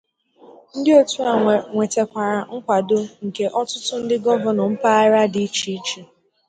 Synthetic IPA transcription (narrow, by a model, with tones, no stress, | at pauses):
n̩˦dɪ˦o˦tu˦a˨ŋʷe˨te˨kʷa˨ɾa˨ŋ̩˦kʷa˨dʊ˦ŋ̩˨ke˨ʔɔ˦tʊ˦tʊ˦n̩˦dɪ˦ɡɔ˦vɔ˨nɔ˨m̩˦pa˦ɪ˦ɾa˦di˦t͡ʃi˦t͡ʃi˨